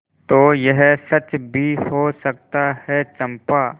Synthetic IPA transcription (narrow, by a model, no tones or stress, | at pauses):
t̪oːjɛɦsɐt͡ʃbʱihoːsɐk̚t̪ahɛt͡ʃɐ̃mpaː